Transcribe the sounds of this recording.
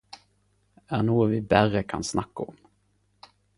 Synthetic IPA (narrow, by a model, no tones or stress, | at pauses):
ænuːvɪbærəkʰa̰nsnakːaɔm